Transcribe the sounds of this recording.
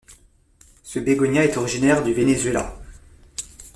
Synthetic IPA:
səbeɡɔɲjaɛt̪ɔʁiʒinɛʁd̪yvenezɥela̰

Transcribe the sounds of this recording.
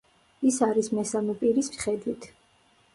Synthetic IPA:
isaɾismɛsamɛpʼiɾismi̥χɛd̪wit̪ʰ

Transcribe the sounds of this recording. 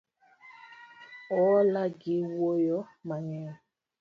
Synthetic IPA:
ɔlaɡewojɔ | maɲɛ

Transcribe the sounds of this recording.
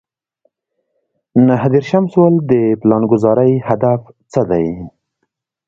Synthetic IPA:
naɦd̪eɾʃamswald̪əplɑnɡʊzɑɾəjhad̪af | t͡səd̪aj

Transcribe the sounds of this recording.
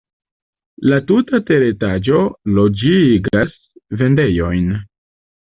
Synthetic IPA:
latutate̞ɾetad͡ʒo̞lo̞d͡ʒiɡas | ve̞nde̞jo̞jn

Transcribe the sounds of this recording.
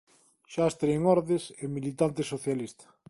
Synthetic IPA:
ʃast̪ɾeeŋɔɾðesemilit̪ant̪ɪsoθjalist̪ɐ̥

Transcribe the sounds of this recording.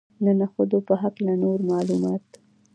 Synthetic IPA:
nənaxod̪opəɦaklanoɾmɑlumɑt̪

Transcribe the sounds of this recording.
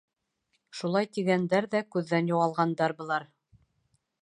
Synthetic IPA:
ʃulˠɑjt̪iɡænd̪æɾðækʉðːænjoʁɑlˠʁɑnd̪ɑɾbɤ̆lˠɑɾ

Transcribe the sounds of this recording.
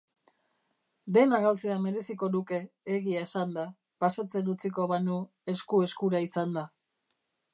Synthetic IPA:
d̪e̞naɣalt͡seame̞ɾe̞siko̞nuke̞ːɣiae̞sand̪a | pasat͡se̞nut͡siko̞βanu | e̞skue̞skuɾaisand̪a

